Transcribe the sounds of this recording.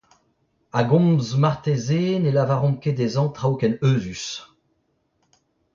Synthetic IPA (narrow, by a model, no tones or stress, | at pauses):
aɡɔ̃mzmaʁt̪ezeːnelavaʁɔ̃mked̪ezɑ̃t̪χawkɛnøːzys